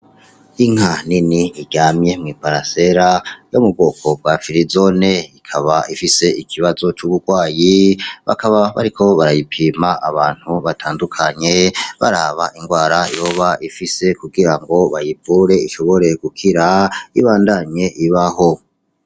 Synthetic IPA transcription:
iŋ̥haniniːɟamɲe̞mŋiːpaɾase̞ɾajomubɡo̞ːkʰo̞b̚ɡwafiɾizo̞ne̞ikʰaβaifise̞ikʰiβazo̞t͡ʃuβuɡwaːjiβa̰kaβaβa̰ɾikʰo̞βaɾajipʰiːmaʔaβaːn̥huβatʰaːndukʰaɲe̞βaɾaβaʔiŋɡwaːɾajo̞ːβaʔifise̞kuɡiɾaŋɡo̞βajivuɾe̞iʃo̞βo̞ɾe̞ɡ̥ukʰiɾaiβaːndaɲe̞ʔiβaho̞

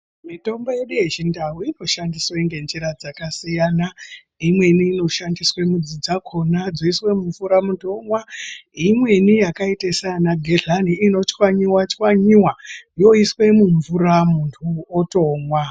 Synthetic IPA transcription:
mito̞mbo̞je̞ɗuje̞t͡ʃindaɦuino̞ʃandiswaiŋɡe̞nd͡ʒiɾad͡zakasijana | imwe̞niːno̞ʃandiswemud͡zid͡zakʰo̞nad͡zoiswe̞muɱvuɾamutʰo̞mwaimwe̞nijakaitesaanaɡʱeɮaniino̞t͡ʃkwaɲiwat͡ʃwaɲiwajo̞iswe̞muɱvuɾamuntʰuoto̞mwa

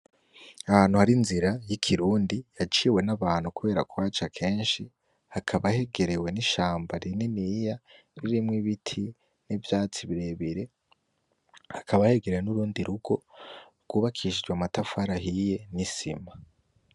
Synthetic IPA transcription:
ahaːnhuhaɾinziɾajikʰiɾuːndijat͡ʃiːwe̞naβaːn̥hukuβe̞ːɾa̰kuwaːt͡ʃakʰe̞ːnʃi | hakʰaβahe̞ɡe̞ɾe̞we̞niʃaːmbaɾininija | ɾiɾimŋiβitʰi | nivjaːt͡siβiɾe̞βiɾe̞ | hakʰaβahe̞ɡeɾewenuɾuːndiɾuɡ̥o̞ | ɡ̥uːβakʰiʃid͡ʒɡwamatafaɾaɦije̞nisima

